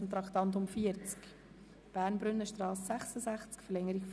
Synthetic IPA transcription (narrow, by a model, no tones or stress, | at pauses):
n̩t̪ɾɑkt̪ɑnt̪̬ʊmfiəɾt͡sk | b̥æːɾnbɾʏnːəʃtɾɑːsːæχsəzæχt͡skfɛɾlɛŋːəɾik